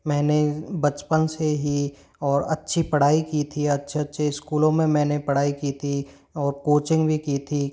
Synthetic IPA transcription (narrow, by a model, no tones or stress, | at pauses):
mɛ̃ːnebɐt͡ʃpənseɦi | ɔːɾɐtːʃʰipɐɽ̤aːikiːt̪ʰiɐtːʃʰeɐtːʃʰeɪskuːlõmẽmɛ̃ːnepɐɽ̤aːikiːt̪ʰi | ɔːɾkoːt͡ʃɪ̃ŋɡbʱikiːt̪ʰi